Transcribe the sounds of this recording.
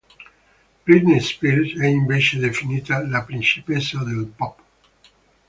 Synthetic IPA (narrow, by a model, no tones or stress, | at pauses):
b̥ɾit̪nespiɾt̪ɛimbet͡ʃeðefinit̪alapɾinsipesaðelpɔp